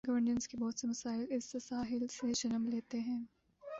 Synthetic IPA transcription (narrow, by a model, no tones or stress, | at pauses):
ɡɐʋəɾnə̃nskebɔːt̪semɐsaːɪlɪsːesaːɦɪlsed͡ʒɐnəmleːt̪eɦɛ̃ː